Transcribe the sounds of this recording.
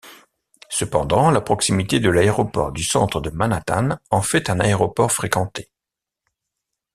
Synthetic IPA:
səpɑ̰̃d̪ɑ̃lapχɔksimit̪ed̪əlaeʁɔpɔ̰ʁd̪ysɑ̃t̪χəd̪əmanat̪a̰nɑ̃fɛt̪ɛ̃naeʁɔpɔʁfχekɑ̃t̪e̥

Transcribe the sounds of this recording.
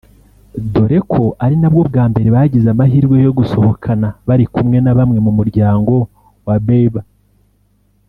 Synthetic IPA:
do̞ɾe̞kʰo̞ʔaɾinabɡo̞bɡaːmbe̞ɾe̞βaɟizamahiːɾɡwe̞jo̞ɡuso̞ho̞kʰanaβaɾikumŋe̞naβamŋe̞mumuɾɟaːŋɡo̞ | wabeβa

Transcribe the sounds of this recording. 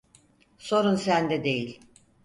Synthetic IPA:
so̞ɾunsænd̪ɛd̪e̞jilʲ

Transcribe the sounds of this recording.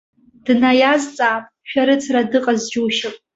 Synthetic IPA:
d̥najazt͡sʼaːpʼʃᶣaɾɨt͡sʰradɨqʼazd͡ʒuwʃɪpʼ

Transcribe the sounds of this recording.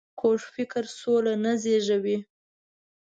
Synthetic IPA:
kʰoʐfɪkɾsolanazeʒawi

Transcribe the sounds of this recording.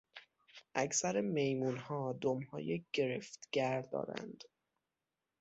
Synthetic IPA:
ʔækʰsæɾeme̞jmuːnhɒːd̪omhɒ̰ːjeɟ̥e̞ɾeft̪ɡæɾd̪ɒ̰ːɾæ̰nd̪̥

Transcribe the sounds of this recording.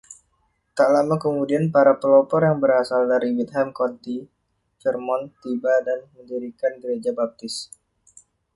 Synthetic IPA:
t̪aʔlamakəmudianpaɾapəlɔpɔrjaŋbəɾasaldaɾiwit̪̚ɦamkɔnt̪i | t͡ʃərmɔnt̪ibadanməndiɾikanɡəɾed͡ʒabap̚t̪ɪs

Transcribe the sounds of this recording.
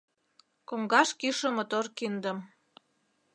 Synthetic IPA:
koŋɡɑʃkiʃə̆mot̪orkind̪əm

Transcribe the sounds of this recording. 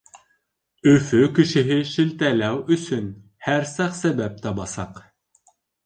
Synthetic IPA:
øfykʲʰiʃɪɦɪʃilt̪ɛlæwysyn | hæɾsæχsɛbɛp̚t̪ʰɑbɑsɑq

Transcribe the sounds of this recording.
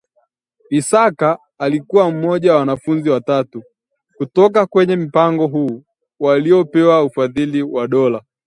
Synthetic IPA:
isakaː | likuwam̩mɔʄawawanafunziwatatu | kutɔkakwɛɲɛm̩paŋɡɔɦuː | waliɔpɛwaufaðiliwaɗɔla

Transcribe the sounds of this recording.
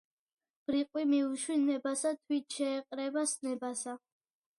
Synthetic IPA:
b̥ɾiqʼwimiuʃwinɛbasat̪ʰwit̪̚ʰʃɛːqʼɾɛbasnɛbasa

